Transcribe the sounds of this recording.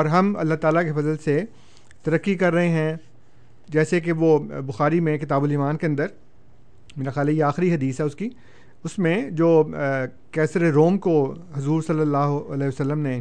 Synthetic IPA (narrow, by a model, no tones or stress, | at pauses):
ɔːɾɦɐmɐ̰lːaɦt̪aːlakefɐzəlse | t̪ɐɾɐkːikɐɾːɐɦeɦɛ̃ | d͡ʒɛːsek̬eʋobʊxaːɾimẽkɪt̪aːbʊliːmaːnkeɐ̃nd̪əɾ | meːɾaxjaːlɦɛjeaːxɪɾiɦɐd̪iːsɦɛʊski | ʊsmẽd͡ʒoː | kɛːsɾeɾoːmkoɦʊzuːɾsɐlːəlːaːɦoɐlɛːɦʋəsɐlːəmne